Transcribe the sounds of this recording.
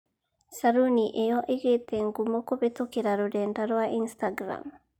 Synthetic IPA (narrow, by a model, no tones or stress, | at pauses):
saɾuniʔejɔʔiɡet̪eŋɡumokobet̪okiɾaɾodɛndaɾɔaʔinst̪aɡɾa̰m